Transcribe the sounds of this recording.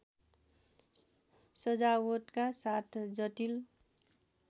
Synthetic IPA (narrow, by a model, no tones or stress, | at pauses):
sʌd͡zawʌt̪kasat̪ʰd͡zʌt̪il